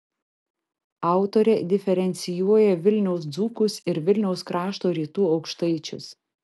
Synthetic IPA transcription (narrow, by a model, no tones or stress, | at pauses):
ɑˑʊt̪oɾʲɛd̪ʲɪfʲɛɾʲɛnʲt̪sʲɪjuɔjɛʋʲɪlʲnʲɛʊs̬d̪zuːkʊsɪɾʋʲɪlʲnʲɛʊskɾɑːʃt̪oːɾʲiːt̪uːɒʊkʃt̪ɐɪt͡ʃʲʊ̰s